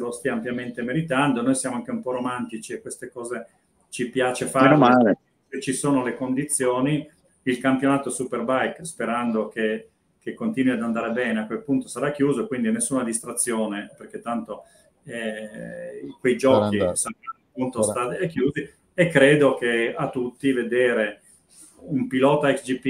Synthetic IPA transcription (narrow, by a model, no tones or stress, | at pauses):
lost̪iampjament̪emeɾit̪and̪onojsjaːmoaŋk̟eumpɔɾomant̪it͡ʃiekːwest̪ekɔːze | t͡ʃipjaːt͡ʃefanomale | set͡ʃːisoːnolekond̪it̪sːjoːni | ilkampjonaːt̪osuperbajkspeɾand̪oke | kːekːont̪iːnwiad̪and̪aːɾebɛːneakwelpunt̪osaɾakːjuːzoekwind̪inesːuːnad̪ist̪ɾat̪sːjoːneperk̟et̪ːant̪o | ɛ | kwejd͡ʒɔːkisanpunt̪ost̪at̪ɛkːjuːzi | ekːɾeːd̪okeat̪ːut̪ːived̪eːɾe | umpilɔːt̪aɛksd͡ʒipi